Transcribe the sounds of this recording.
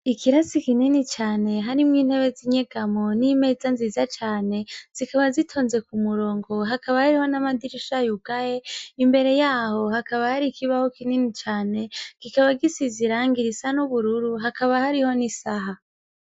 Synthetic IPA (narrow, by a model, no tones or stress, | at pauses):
ikiɾasikininit͡ʃaːne̞ɦaɾimŋiːn̥he̞βe̞ziɲe̞ɡ̥amonime̞zanziːzat͡ʃaːne̞z̥ikaβazitʰo̞ːnze̞kumuɾo̞ːŋɡo̞ɦakaβahaɾiho̞namadiɾiʃajuɡ̥ajeimbe̞ɾe̞jaːho̞hakaβahaɾikiβahokininit͡ʃaːne̞ɡ̥ikaβaɡisiziɾaːŋɡiɾisanuβuɾuɾuɦakaβahaɾiho̞nisaɦa